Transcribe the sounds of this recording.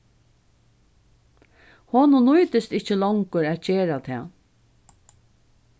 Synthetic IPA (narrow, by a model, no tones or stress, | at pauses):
hoːnʊnujt̪ɪst̪ɪht͡ʃəlɔwŋkʊɾæːt̪ceːɾat̪ʰɛ̰ː